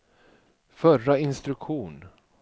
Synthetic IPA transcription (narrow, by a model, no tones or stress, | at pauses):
fœraɪnst̪ɾɵkɧuːn